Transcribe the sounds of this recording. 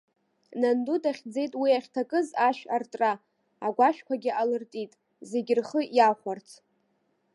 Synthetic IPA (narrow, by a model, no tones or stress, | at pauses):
nandutʰʼaχʲd͡ze̞jtʼwiaχʲtʰakʼɨzaʃᶣartʼraː | ɡʷaʃᶣkʷaɡʲɪʔalɨrtʼitʼ | ze̞ɡʲɪrχəjaχʷart͡sʰ